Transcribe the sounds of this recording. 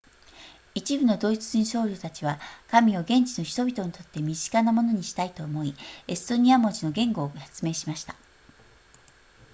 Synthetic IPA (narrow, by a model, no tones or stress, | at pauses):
it͡ɕibɯ̟no̞d̪o̞it͡sɨ̥ʑĩɰ̃ɕo̞ːɾʲot̪at͡ɕiβakamʲio̞ɡẽ̞ɲ̟t͡ɕino̞çi̥t̪o̞bʲit̪o̞ɲ̟it̪o̞t̪ːe̞mʲiʑi̥kanamo̞no̞ɲ̟iɕi̥t̪ait̪o̞ːmo̞ie̞sɨ̥t̪o̞ɲ̟iamo̞ʑino̞ɡẽ̞ŋɡo̞ːçḁt͡sɨme̞ːɕimaɕi̥t̪ḁ